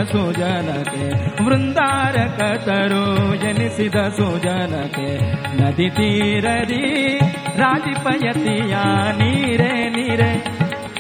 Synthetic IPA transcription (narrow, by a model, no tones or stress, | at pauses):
sud͡ʒɐnɐk̪eʋɾund̪aːɾɐkɐt̪ɐɾujenisid̪ɐsuːd͡ʒɐnɐt̪e | nɐd̪it̪iɾɐd̪i | ɾaːd͡ʒipɐjɐt̪ijaniːɾeniːɾe